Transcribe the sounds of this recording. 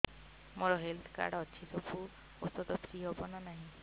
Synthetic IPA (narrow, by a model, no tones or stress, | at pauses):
moɾɔɦelt̪ʰka̰ɾɖɔt͡ʃʰit̪opu | ot̪ɔt̪ɔpʰɾiɦobɔnanaɦĩ